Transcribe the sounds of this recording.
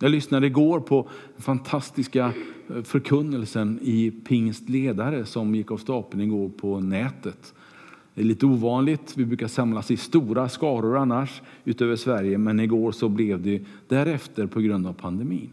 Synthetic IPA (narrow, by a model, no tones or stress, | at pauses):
jɑːɡlʏsnad̪əɪɡoːɾpʰɔ | fant̪ʰast̪ɪskafœɾkʰɵnːəlsənɪpʰɪŋst̪leːd̪aɾəsɔmjɪkːavst̪ɑːpənɪɡoːɾpʰɔnɛːt̪ət̪ | d̪ɛɭiːt̪əuːvɑːnlɪt̪vɪbɾʉ̟ːkasamlasɪst̪uːɾaskɑːɾʊɾanːaʂ | ʉ̟ːt̪øːvəʂvæɾjəmɛnɪɡoːɾsɔblɛvd̪ɛ | d̪̥æɾɛft̪əɾpʰɔɡɾɵnd̪avpʰand̪ɛmḭːn